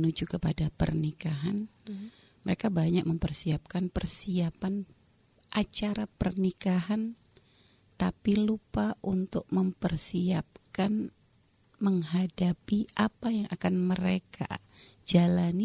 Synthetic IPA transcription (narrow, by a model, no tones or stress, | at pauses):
ənud͡ʒukəpadapə̰rnikaɦan | məɾekabaɲak̚məmpərsiap̚kanpərsiapan | ʔat͡ʃaɾapərnikaɦan | t̪apilupaʔunt̪ʊk̚məmpərsiap̚kan | məŋɦadapiapajaŋʔakanməɾekʰa̰ | d͡ʒalani